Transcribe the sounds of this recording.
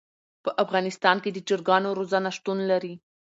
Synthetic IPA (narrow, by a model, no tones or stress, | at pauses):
pəʔafɣɑnɪst̪ɑnked̪ət͡ʃɪɾɡɑnoɾozanaʂt̪unlaɾi